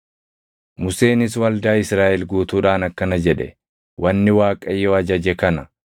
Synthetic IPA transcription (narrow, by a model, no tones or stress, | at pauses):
mʊseːnɪs̬wɐld̪aːɪsɾaːʔɛlɡuːt̪uːᶑaːnɐkːɐnɐd͡ʒɛᶑɛ̰ | wɐnːɪwaːkʼɐjːoːɐd͡ʒɐd͡ʒɛkɐnɐ